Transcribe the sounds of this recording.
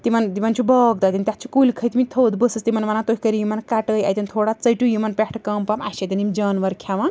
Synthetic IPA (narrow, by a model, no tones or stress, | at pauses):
t̪imɐnt̪imɐnt͡ʃʰubəɡ̚d̪ad̪int̪ʲat̪̚t͡ʃʰu̥kulʲkʰəjt̪imit̪ʰod̪bəsɨst̪imɐnʋanat̪okʰʲikəɾijumɐnkaʈəja̰jt̪ʲint̪ʰoːɽat͡səjʈujumɐnpʲekʰʈʰkɐmpamaʃet̪ʲinimd͡ʒɐːnʋɐɾkʰaʋan